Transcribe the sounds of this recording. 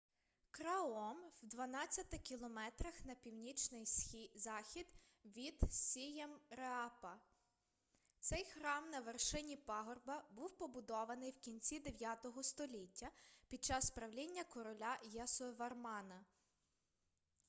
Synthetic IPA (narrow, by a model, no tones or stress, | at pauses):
kɾɐɔmwd̪ʋɐnɑt͡sʲːɐt̪ɪkʲilˠɔmɛt̪ɾɐxn̪ɐpʲiwnʲit͡ʃnɪjizɑxʲid̪ | ʋʲid̪sʲijɛmɾeɑpɐ | t̪sɛjxɾɑmnɐʋerʃɪnʲipɑɦɔrbɐbuwpɔbʊd̪ɔʋɐnɪjwkʲinʲt͡sʲid̪eʋʲjat̪ɔɦɔst̪ɔlʲitʲːɐpʲid̪̚t͡ʃɑsspɾɐwlʲinʲːɐkɔɾɔlʲajɐsɔʋɐrmɑnɐ